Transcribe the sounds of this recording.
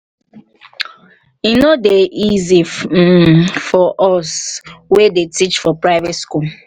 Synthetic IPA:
inodeʔizi | fɔʔɔswedetit͡ʃfɔpɹaɪvetskul

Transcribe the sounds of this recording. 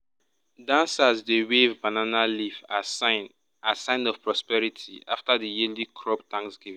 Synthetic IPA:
dãnsazdewevbananaliv | asãɪ̃nɔv̥pɹɔspɛɹitʰḭa̰ftadijilikʰɹɔptʰãŋksɡ̥ivĩ

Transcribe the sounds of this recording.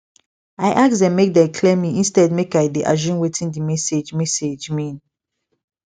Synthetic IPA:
aɪʔaksdɛ̃nmek̚dɛkʰlɛmiĩnstɛdmekajdeʔa̰ʒũnwetʰĩndimɛsed͡ʒmɛsed͡ʒmĩn

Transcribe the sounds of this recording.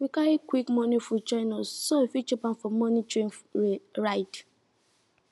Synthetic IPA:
wikaikwikmɔ̃nifut͡ʃanassoifit͡ʃɔpãnfɔmɔ̃nitɹĩnɹajt

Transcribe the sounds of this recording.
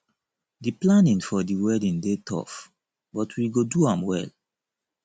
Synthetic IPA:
diplanĩnfɔdiwɛdĩndetʰɔ̰f | bɔtʰwiɡoduãmwɛ̰l

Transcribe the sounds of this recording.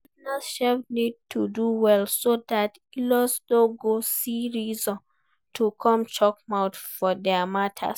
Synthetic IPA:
naʃɛpnid̚tʰuduwɛlsodat | ilɔsdõɡosiɹizɔ̃n | tʰukʰɔ̃mt͡ʃɔk̚maʊtfɔdɛamatʰa̰

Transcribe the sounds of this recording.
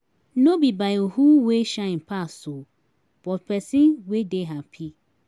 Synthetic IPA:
nobibajohuweʃãɪ̃n̩pʰaso | b̥ɔtpʰɛsĩnwedeɦapʰi

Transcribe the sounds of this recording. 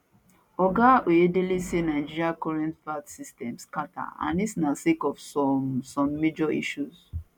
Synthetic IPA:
ɔɡawʔeedelisenaɪd͡ʒiɹiakɔɹɛ̃ntpatsistɛ̃mskata̰ã̰nisnasekɔvsɔsɔ̃mːed͡ʒɔḭʃus

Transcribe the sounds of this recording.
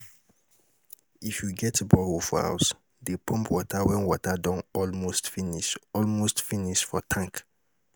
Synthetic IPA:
ifjuɡɛtbɔɹofɔ̰a̰ʊs | depʰɔ̃mpʰwɔtʰawɛ̃nwɔtadɔ̃nɔlmostfiniʃɔlmostfiniʃfɔtʰãŋk

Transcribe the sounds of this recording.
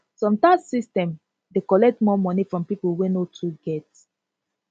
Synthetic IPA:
sɔ̃mtasistɛ̃m | dekɔlɛk̚tmɔmɔnifɹɔ̃mpipolwenotʰuɡɛt

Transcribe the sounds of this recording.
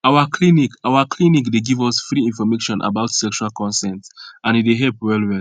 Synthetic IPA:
awakʰlinikawakʰlĩnikdeɡivɔsfɹiĩnfɔmeʃɔ̃nʔa̰baʊtsɛkʃualkʰɔ̃nsɛ̃ntãnideɦɛlpwɛlwɛl

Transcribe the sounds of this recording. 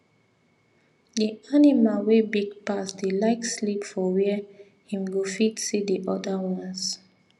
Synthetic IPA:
dianimalwebiɡpasdelaɪkslipfɔwɛ | hĩmɡofitsidiʔɔdawãns

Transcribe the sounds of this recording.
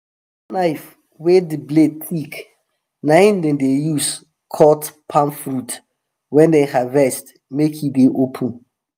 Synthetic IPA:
naɪf | wedibled̚θik | nãɪndɛ̃ndejus | kʰɔtpʰãmfɹut | wɛ̃ndehavɛst | mekʰideʔopʰũn

